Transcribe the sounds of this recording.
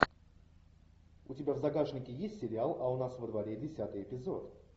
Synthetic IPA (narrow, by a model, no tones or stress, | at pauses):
ʊtʲɪbʲavzɐɡaʐnʲɪkʲɪjesʲtʲsʲɪɾʲɪalˠɐʊnasvəd̪vɐɾʲedʲɪsʲat̪ɨjɪpʲɪzot̪